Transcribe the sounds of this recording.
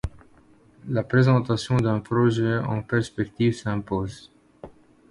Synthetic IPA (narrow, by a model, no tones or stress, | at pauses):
lapχezɑ̃t̪asjɔ̃d̪ɛ̃pʁɔʒɛɑ̰̃pɛʁspɛkt̪ivsɛ̃poːz